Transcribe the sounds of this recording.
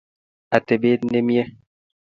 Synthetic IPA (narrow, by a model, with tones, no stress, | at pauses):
a˨te˨ɓe˦ne˦mje˦